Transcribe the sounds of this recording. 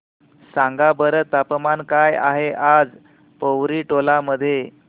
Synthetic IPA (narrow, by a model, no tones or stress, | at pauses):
sãŋɡabəɾət̪ːapmankaja̰ɦeʔad͡z | pəwɾiʈolaməd̪ʱːje